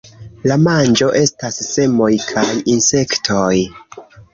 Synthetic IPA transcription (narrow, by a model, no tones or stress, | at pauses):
lamand͡ʒo̞ʔe̞stasːe̞mo̞jkʰajinse̞ktʰo̞j